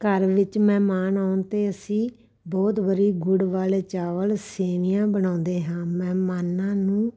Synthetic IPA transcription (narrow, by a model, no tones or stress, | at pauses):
kəɾʋɪt͡ʃmɛ̃ːmaːnaːʊnt̪eːəsĩː | bɔːt̪ʋəɾiːɡʊɽʋaːleːt͡ʃaːʋəlseːnijãːbəñãːnd̪eːɦãːmɛ̃ːmaːnãːnũː